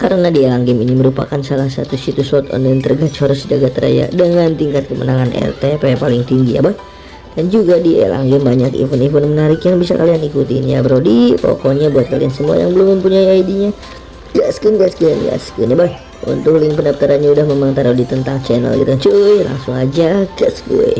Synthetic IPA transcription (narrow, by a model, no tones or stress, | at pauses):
kaɾənadielaŋɡɪminiməɾupa̰kansalahsat̪usit̪usɔt̪ɔ̰nlant̪ərɡat͡ʃɔɾəsd͡ʒaɡat̪əɾa̰ja̰dəŋant̪iŋkat̪̚kəmə̰naŋanʔɛ̰rt̪epepalɪŋt̪iŋɡija̰baj | dand͡ʒuɡadiḛla̰ŋɡɛmbaɲakḭfunifʊnmənaɾɪkjaŋbisa̰ka̰lianikut̪inija̰bəɾodipo̰koɲabuat̪̚kaliansəmua̰ja̰ŋbəlʊmːəmpuɲaiaidiɲa | ɡaskənɡaskə̰nɡa̰skənjabaj | ṵnt̪ʊkliŋpənapt̪aɾanɲaudahmemaŋt̪aɾodit̪ənt̪aŋt͡ʃɛnə̰lḭɾənt͡ʃujla̰ŋsʊŋad͡ʒaɡaskṵj